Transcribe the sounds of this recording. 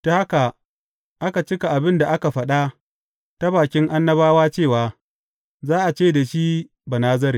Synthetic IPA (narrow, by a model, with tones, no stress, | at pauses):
ta˦ha˦ka˨ | ʔa˦ka˨t͡ʃɪ˦ka˨ʔa˨bɪ˦nda˨ʔa˦ka˨ɸɐ˦ɗa˦ | ta˦baː˨kʲɪ˦ŋʔa˦nːɐ˦baː˦waː˦t͡ʃeː˦˨waː˨ | zaː˦ʔa˨t͡ʃeː˦˨da˨ʃi˦ | ba˨naː˦zɐ˦ɾeː˨